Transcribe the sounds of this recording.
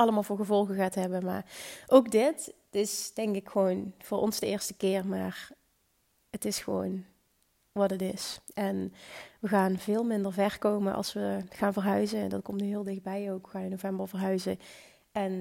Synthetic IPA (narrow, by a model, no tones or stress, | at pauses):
ɑlˠəmaːlˠvʊːɹɣəvɔlˠɣəɣaːtɦɛbənma̰ːʔowkdɪt | tɪsd̥ɛŋkɪkxəʋownv̥ʊːɹʔɔ̰nzdəɪːɹstəkɪːɹmaːr | ətɪsxəʋo̰wn | ʋɑtətɪsʔɛnʋəɣaːnvɪːlˠmɪndəɹvɛɹkowmənʔɑ̰lˠsʋəxaːnvərɦœɥzəndɑt̚kɔmtnyɦɪːlˠdɪxd̚bɛjowkʋəxaːnɪnovɛmbəɹvəɹɦœɥzə | ʔɛn